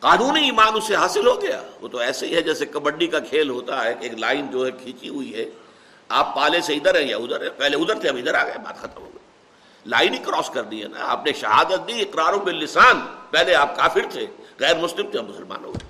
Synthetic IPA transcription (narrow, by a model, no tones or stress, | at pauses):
qaːnũːniiːmaːnʊsːeɦaːsɪlɦoɡɐja̰ːʋo̰ːt̪oɛːseiɦɛd͡ʒɛːsekɐbə̃ɖɖikakʰeːlɦoːt̪aɦɛʔeːklaːɪnd͡ʒoːɦɛkʰiːt͡ʃiɦʊiɦɛ | aːpːaːleseɪd̪əɾɦɛ̃ja̰ʊd̪əɾɦɛ̃pɛɦleʊd̪əɾt̪ʰeɐbiɪd̪əɾaːɡɐjaba̰ːt̪xɐt̪əmɦo̰ːɡe | la̰ːɪnikɾɔːskɐɾniɦɛ̰na̰ɐ̰pneʃɐɦa̰ːd̪ət̪̚d̪iɪqɾaːɾõbelːɪsaːnpɛɦleaːp̚kaːfɪɾt̪ʰeɣɛːɾmʊslɪmt̪ʰeɐmʊsəlma̰ːnõ̰ke